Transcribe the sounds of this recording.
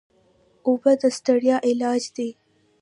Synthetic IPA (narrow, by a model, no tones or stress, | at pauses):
ʊbad̪əst̪aɽjɑʔɪlɑd͡ʒd̪e